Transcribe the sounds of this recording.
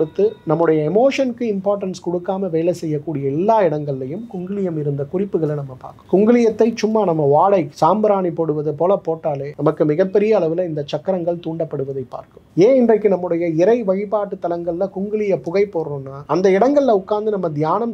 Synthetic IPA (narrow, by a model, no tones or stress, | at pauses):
kɽɯt̪ːɯnɐmːɯɽɐjɐɛmoːʂɐnkɯɪmpaːɾʈːɐnskɔɽɯkːaːmɐʋeːlɐsɛjːɐkːuːɽɪjɐɛlːaːɪɽɐŋɡɐɭlɐjɯmkʊŋɡɪɭɪjɐmɪɾɯnd̪ɐkʊrɪpːɯɣɐɭɐnɐmːɐpa̰ːɾkɯ̥mkʊŋɡɪɭɪjɐt̪ːɐɪt͡ʃʊmːaːnɐmːɐʋaːɽɐɪsaːmbɐɾaːnipoːɽɯʋɐðɐpoːlɐpoːʈːaːleːnɐmɐkːɯmɪɣɐpːɛɾɪjɐːɭɐʋɯlɐɪnd̪ɐt͡ʃɐkːɐɾɐŋɡɐɭt̪uːɳɖɐpːɐɽɯʋɐðɐɪpːa̰ːɾkɯmeːɪndrɐɪkːɯnɐmːɯɽɐjɐɪɾɐɪʋɐɻɪpaːʈːɯt̪ːɐlɐŋɡɐɭlɐkʊŋɡɪɭɪjɐpʊɣɐɪpːoːɾõːnːaːɐnd̪ɐɪɽɐŋɡɐɭɪlɐʊkːaːnd̪ɯnɐmːɐd̪jaːnɐm